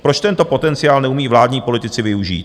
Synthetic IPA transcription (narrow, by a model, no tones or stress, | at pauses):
pɾot͡ʃt̪ɛnt̪o̞po̞t̪ɛnt͡sɪjaːlnɛumiːvlaːd̪ɲiːpo̞lɪt̪ɪt͡sɪvɪuʒḭːt̪